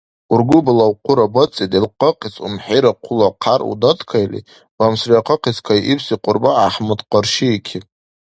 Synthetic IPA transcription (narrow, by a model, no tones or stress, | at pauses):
urɡʷʊbɨlawqʰʷʊɾabət͡sʼidʼilqəqʰʼisṵmħiɾaqʷʰʊlaqʰarṵdatʰʼkʰajlḭ | bamsriaqʰəqiskʰʷaʔipʰsiqʷʼʊrbaːħmɨtqʼərʃiːkʲʰi